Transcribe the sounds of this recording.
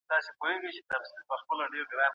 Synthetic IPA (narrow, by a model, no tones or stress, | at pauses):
d̪̥ɑsepoheɡəjt͡ʃet̪ɐfsilpəxpəlaɖeɾɡɾɑn